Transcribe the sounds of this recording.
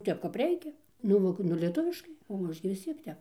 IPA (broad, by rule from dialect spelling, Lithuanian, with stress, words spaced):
ˈtʲɛp kɐp ˈrʲɛɪkʲɛ nʊ ˈmoːkʊ nʊ lʲiɛˈtʊʋʲɪʃkɐɪ oː ˈɐʃ ɡʲɪ ʋʲɪs ˈt͡sʲiɛk ˈtʲɛp